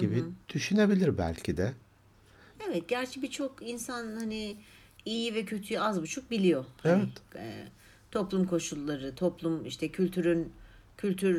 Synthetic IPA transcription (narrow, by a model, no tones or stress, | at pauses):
ɟibid̪̥yʃynebilʲiɾbæ̰lʲcʰid̪ɛ | evɛt̪̚ɟæɾt͡ʃʰɛbit͡ʃʰo̞kinsanhani | ijivɛcʰø̞t̪ʰyjyazbut͡ʃʰuk̚bilʲijo̞haevɛt̪ː | t̪ʰo̞plˠumkʰo̞ʃulˠːaɾɯt̪ʰoplˠumḭʃt̪ʰɛcʰylʲt̪ʰyɾyn | cʰylʲt̪ʰyɾ